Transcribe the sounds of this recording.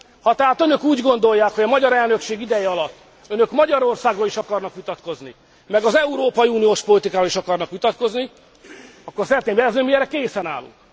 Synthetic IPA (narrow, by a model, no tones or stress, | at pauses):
hɒt̪ɛɦaːt̪ø̞nø̞kuːɟɡo̞nd̪ojːaːkhoɒmɒɟɒɾɛlnøkʃeːɡid̪ɛjɛɒlɒt̪ː | ønø̞kmɒɟɒɾo̞rsaːɡroliʃɒkɒrnɒkʋit̪ɒt̪ko̞zni | mɛɡɒzɛuɾoːpɒjiuːnijoːʃpo̞lit̪ikaːɾoliʃɒkɒrnɒkʋit̪ɒt̪ko̞zni | ɒkːo̞rsɛɾɛt̪neːmbɛɛzøːmiɛrːɛkeːsɛnaːlṵŋ